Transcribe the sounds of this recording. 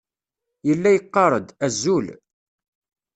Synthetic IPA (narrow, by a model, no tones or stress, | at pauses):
jəlːæjəqːɑɾˤəd̪æzːul